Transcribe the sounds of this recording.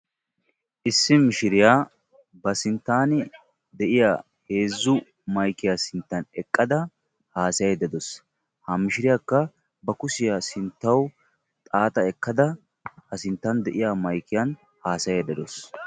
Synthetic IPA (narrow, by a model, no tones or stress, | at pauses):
ʔɪsːɪmɪʃɪɾɪjaː | bɐsɪnt̪ːaːnɪ | d̪ɛʔɪjaː | he̞ːzːʊ | mɐjkːɪjasɪnt̪ːɐnɛkʼːɐd̪ɐ | haːsɐjɛd̪ɐd̪ɔs | hɐmːɪʃɪɾɪjakːɐ | bɐkʊsɪjasɪnt̪ːɐw | t̪ʼaːt̪ʼɐɛkːɐd̪ɐ | hɐsɪnt̪ːɐnd̪ɛʔɪjaːmɐjkːɪjɐn | haːsɐjɛd̪ɐd̪ɔs